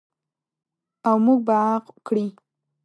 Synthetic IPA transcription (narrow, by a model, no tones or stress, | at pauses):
awmuɡ̚baaqkɽi